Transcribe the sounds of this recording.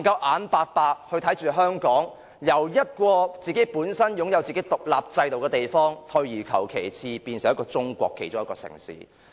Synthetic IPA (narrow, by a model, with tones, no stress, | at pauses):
ŋkɐ˧wʔaː˨˥npaː˧k̚paː˧k̚hɵ˧ɥt̪ʰɐ˨˥jt͡ʃyː˨ɦœː˥ŋkɔː˨˥ŋ | jɐ˨˩wjɐ˥t̚kʷɔː˧t͡siː˨ke˨˥jpuː˨˥nsɐ˥njʊ˨˥ŋjɐ˨˧wt͡si˨ke˨˥jt̪ʊ˨k̚laː˨p̚t͡sɐ˧jt̪o˨wkɛː˧t̪e˨jfɔː˥ŋt̪ʰɵ˧ɥjiː˨˩kʰɐ˨˩wkʰḛ˨˩jt͡sʰiː˧piː˧nsɪ˨ŋjɐ˥kɔː˧t͡sʊ˥ŋkʷɔ̰ː˧kʰːe˨˩t͡ʃʊ˥ŋjɐ˥kɔː˧sɪ̰˨˩ŋsḭː˨˥